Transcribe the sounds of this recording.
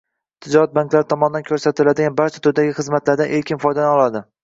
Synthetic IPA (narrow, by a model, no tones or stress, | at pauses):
t̪ʰːɪd͡ʒɒɾat̪̚baŋkʲlaɾɪt̪ʰɒmɒnɪd̪ankʲʰɵɾsat̪ʰɪlad̪ɪɡʲanbaɾt͡ʃʰat̪ʰʊd̪aɡʲɪχɨzmat̪ʰlaɾd̪anʔe̞ɾkʲɪnfɒjd̪anɒlˠad̪ɪ